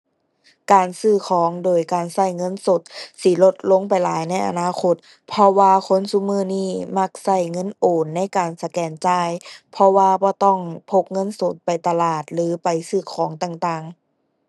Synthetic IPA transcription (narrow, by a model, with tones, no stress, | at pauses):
kaː˨nsɯː˧˩kʰɔː˨˦ŋdoː˨jkaː˨˩nsa˧˩jŋɤ˧˥˨nso˧˦t̪̚si˧˦lo˧t̪̚lo˧˥˨ŋpa˨jlaː˨˦jna˧˥˩jʔa̰˧naː˧˨kʰo˧˩t̪̚ | pʰɔ˧waː˧kʰo˧˥˨nsu˧˥˨mɯː˧˥˩niː˧˥˩ma˧˩k̚sa˧˩jŋɤ˧˥˨nʔoː˨˩nːa˧˥˨jkaː˨nsa˧kɛː˨˩nt͡ɕaː˧˥˩jpʰɔ˧waː˧bɔː˧˦t̪ɔ˧˩ŋpʰo˧k̚ŋɤ˧˥˨nso˧˩t̪̚pa˨˩jt̪a˧laː˨˩t̪̚lɯː˨˦pa˨jsɯː˧˩kʰɔː˨˦ŋt̪aː˧˩ŋt̪aː˨˩ŋ